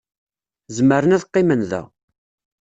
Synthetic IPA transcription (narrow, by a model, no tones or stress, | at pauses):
zməɾənæðqːɪmənðæ̰